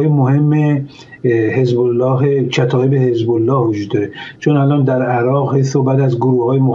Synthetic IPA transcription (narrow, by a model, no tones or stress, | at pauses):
jemoɦemːe | ɦezbolːɒːɦet͡ʃʰæt̪ʰɒːebehezbolːɒːhvod͡ʒuːd̪ːɒːɾet͡ʃʰonælɒːnd̪æɾæɾɒːɣhejsobæd̪æzɡoɾuːhhɒːjemo